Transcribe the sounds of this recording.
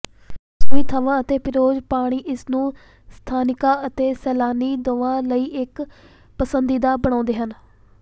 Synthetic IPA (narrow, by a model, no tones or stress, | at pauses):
soːiːt̪ʰəʋãːət̪eːpʰɪɾoːd͡ʒpaːɽ̃iːʔɪsnũː | st̪ʰaːnɪkãːət̪eːsɛːlaːniːd̪oʋãːləiːʔɪk | pəsənd̪iːd̪aːbəɳ̃ãːnd̪eːɦən